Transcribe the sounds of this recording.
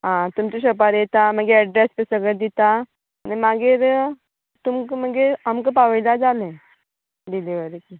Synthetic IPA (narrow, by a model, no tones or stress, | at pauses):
ɦãt̪umt͡ɕiɕ̬əp̬aɾjet̪am̤əɡeɛɖɾɛspəsəɡəd̪it̪aː | nimaɡeɾ | t̪umkm̤əɡeamkəpaʋəlad͡zalẽ | d̪ileʋəɾeki